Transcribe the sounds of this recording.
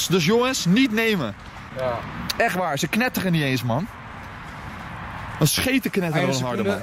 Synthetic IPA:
sdøs̬joŋənsnitnejmə | ɛχʋaːɹsəknɛtəχənitejnsmɑn | dɔnsχejtəknɛtəoɦɔɹdəan

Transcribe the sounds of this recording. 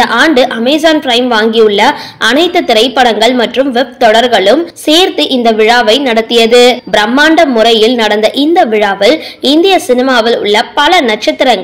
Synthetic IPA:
ɐʔaːɳɖɯʔɐmɛɪzaːnpɪɾɐɪmʋaːŋɡijɯɭːɐʔɐnɐɪt̪ːɯt̪ːɪɾɐɪpːɐɽɐŋɡɐɭmɐʈrɯmʋɛb̚t̪ɔɽɐɾɣɐɭɯmseːɾt̪ɯʔɪnd̪ɐʋɪɻaːʋɐɪnɐɽɐt̪ːɪjɐðɯbɪɾɐmːaːɳɖɐmːʊrɐjɪlnɐɽɐnd̪ɐʔɪnd̪ɐʋɪɻaːʋɪlɪnd̪ɪjɐsɪnɪmaːʋɪlʊ̰ɭːɐpɐlɐnɐʈ̚t͡ʃɐt̪ːɪɾɐŋɡɐ

